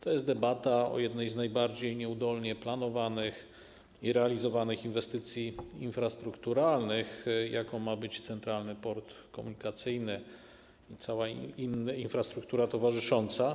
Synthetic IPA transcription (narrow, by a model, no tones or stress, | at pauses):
t̪ʰɔjɛst̪d̪ɛbat̪aɔ̰jɛd̪nɛjznajbaɾd͡ʑejɲɛud̪ɔlɲɛplanɔvanɘx | iɾɛalʲizɔvanɘxinvɛst̪ɘt̪sʲjiinfɾast̪ɾukt̪uɾalnɘxjakɔ̃w̃mabɘt͡ɕt̪sɛnt̪ɾalnɘpɔɾt̪ | kɔmuɲikat̪sɘjnɘ | it̪sawainːinfɾast̪ɾuk̚t̪uɾat̪ɔvaʐɘʂɔnt̪sa